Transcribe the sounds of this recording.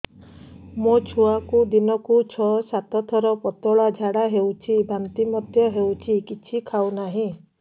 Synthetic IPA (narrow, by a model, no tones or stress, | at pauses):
mot͡ʃʰuakud̪inɔkut͡ʃʰɔsat̪ɔt̪ʰɔɾɔpɔt̪ɔɭad͡ʒʱaɽaɦewt͡ʃʰibʱant̪imɔd̪ʱjɔɦewt͡ʃʰikit͡ʃʰikʰawnaɦĩ